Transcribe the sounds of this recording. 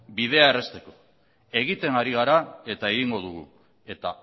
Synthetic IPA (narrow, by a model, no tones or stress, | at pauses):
bið̞e̞ae̞re̞st̪e̞ko | e̞ɣ̞it̪e̞ŋɡaɾiɣ̞aɾae̞t̪ae̞ɣiŋɡo̞ðuɣ̞ṵ | e̞t̪a